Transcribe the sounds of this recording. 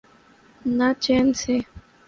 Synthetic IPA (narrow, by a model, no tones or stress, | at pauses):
nãt͡ʃense